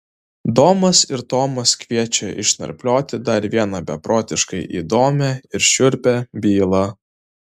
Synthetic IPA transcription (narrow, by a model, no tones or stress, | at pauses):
d̪oːmɐsɪɾt̪oːmɐskʋʲiɛt͡ʃʲɛʔɪ̰ʃnɐ̰ɾʲpʲlʲoːt̪ʲɪd̪ɐɾʋʲiɛnɐbʲɛpɾoːt̪ʲɪʃkɐɪʔḭːd̪oːmʲɛɪɾʃʲʊɾʲpʲɛbʲiːlˠɐ